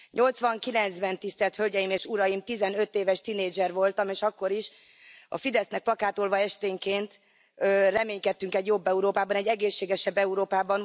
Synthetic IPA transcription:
ɲʔo̞lt̪sʋɒŋkilɛnt̪zbɛnt̪ist̪ɛlt̪hølɟɛjimeːʃuɾɒjimt̪izɛnø̞t̪ːeːvɛʃt̪ineːd͡ʒɛrvo̞lt̪ɒmeːʃɒkːo̞ɾiʃ | ɒ̰fid̪ɛsnɛk̚plɒkaːt̪olvɒɛʃt̪eːŋkeːnt̪ | ørɛmeːɲkɛt̪ːyŋkɛɟjo̞bːɛuɾoːpaːbɒnɛɟːɛɡeːʃːeːɡɛʃɛbːɛuɾoːpaːbɒn

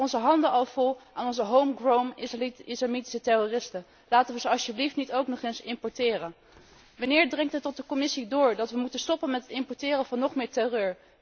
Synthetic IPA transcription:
ɔnzəɦɑndəʔɑlˠv̥ɔlˠaːnɔnzəɦowmɡrowmislamiti̥sətɛrorɪstən | laːtənʋəzəɑʃjəbliftnitowknɔχensɪmpɔɹtɪːrən | ʋɑnɪːɹdrɛŋtɦətːɔt̚dəkɔmɪsidʊːɹdɑtʋəmutənstɔpənmɛtɦətɪmpɔɹtɪːrənvɑnːɔχmɪːɹtɛrøːɹ

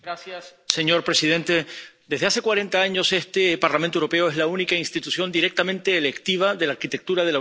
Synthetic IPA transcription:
ɡɾasjasːe̞ɲo̞ɾpɾe̞siðe̞nt̪e̞d̪e̞zðease̞kwaɾe̞nt̪aaɲo̞se̞st̪e̞paɾlamẽnt̪ouɾo̞pe̞oe̞zlaunikainst̪it̪usjo̞nd̪iɾe̞k̚t̪amẽnt̪e̞ːlekt̪iβ̞aðe̞laːɾkit̪e̞k̚t̪uɾaðe̞l

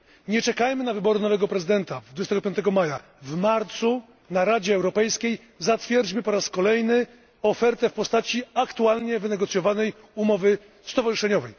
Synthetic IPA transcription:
ɲɛt͡ʂɛkajmɘnavɘbɔɾɘnɔvɛɡɔpɾɛzɘd̪ɛnt̪ad̪vud͡ʑɛst̪ɛɡɔpjɔnt̪ɛɡɔmaja | vmaɾt̪su | naɾad͡ʑɛːwɾɔpɛjskʲej | zat̪fʲjɛɾd͡ʑmɘpɔɾaskɔlɛjnɘ | ɔfɛɾt̪ɛfpɔst̪at͡ɕiakt̪ualɲɛvɘnɛɡɔt̪sjɔvanɛj | umɔvɘ | st̪ɔvaʐɨʂɛɲɔvɛj

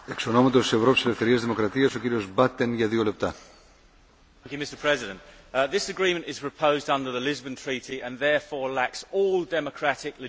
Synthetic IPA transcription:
ekso̞no̞mɐt̪ost̪isevɾo̞piselefθe̞ɾiɐzðimokɾɐt̪iɐsociɾio̞zbɐt̪ːenʝɐðio̞le̞p̚t̪ɐ | ŋkjʉmɪstəpʰɹ̥ɛzɪdə̃nðɪsəɡɹĩːmə̃ntɪz̥pʰɹ̥əpʰəʊzdʌ̃ndəðəlɪzbə̃ntʰɹ̥iˑtiə̃nðɛːfɔːɹlaksɔːlˠdɛməkʰɹ̥atɪklɪ

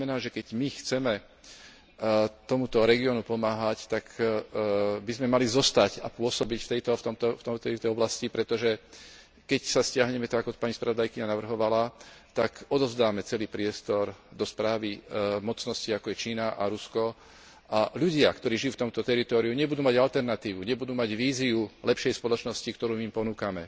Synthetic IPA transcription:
mɛnaːʒɛkɛɟmixt͡sɛmɛ | t̪ɔmut̪ɔɾɛɡiɔnupɔmaːɦact̪ak | bizmɛmalizɔst̪acapʊɔsɔbicft̪ɛjt̪ɔt̪ɔmt̪ɔft̪ɔmt̪ɛjt̪ɔɔblascipɾɛt̪ɔʒɛ | kɛcsascɪaɦɲɛmɛt̪aɡaɡkɔpaɲispɾaʋɔd̪ajkiɲanaʋr̩ɦɔʋalat̪akɔd̪ɔzd̪aːmɛt͡sɛliːpɾɪɛst̪ɔɾd̪ɔspɾaːʋimɔt͡snɔsciakɔjɛt͡ʃiːnaʔa̰ɾuskɔ | ʔaʎuɟɪakt̪ɔɾiːʒijuːft̪ɔmt̪ɔt̪ɛɾit̪ɔːɾiuɲɛbud̪uːmaɟalt̪ɛɾnat̪iːʋuɲɛbud̪uːmaɟʋiːziulɛpʃɛjspɔlɔt͡ʃnɔscikt̪ɔɾuːmiimpɔnuːkamɛ̰

